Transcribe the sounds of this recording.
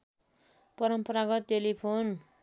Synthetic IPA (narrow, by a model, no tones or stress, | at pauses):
pʌɾʌmpʌɾaɡʌt̪ːelipʰon